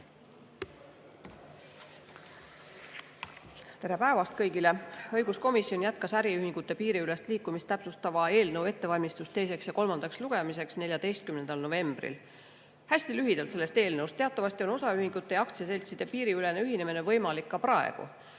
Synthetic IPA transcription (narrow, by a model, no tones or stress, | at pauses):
t̪e̞ɾe̞pæe̞vɑst̪̚kɤjɡileɤjɡ̥usko̞misːio̞njæt̪̚kɑsæɾiyhiŋɡ̥ut̪ːˑe̞piːɾiyle̞st̪liːkːˑumist̪æpsust̪ɑvɑe̞ːlnɤwe̞t̪ːe̞vɑlʲmist̪ust̪e̞jse̞ksjɑko̞lmɑnd̪ɑksluɡ̥e̞mise̞ksne̞lʲjɑd̪e̞jst̪̚kymne̞nd̪̥ɑlno̞ve̞mb̥rḭl | hæsʲt̪ilyɦid̪̥ɑlt̪se̞lːe̞st̪e̞ːlnɤwst̪e̞ɑt̪ːˑɑvɑsʲt̪io̞no̞sɑyhiŋɡ̥ut̪ːe̞jɑk̚t̪sese̞lʲt̪sid̪̥e̞piːɾiyle̞neyɦinemine̞vɤjmɑlikːɑpɾɑḛɡ̥ṵ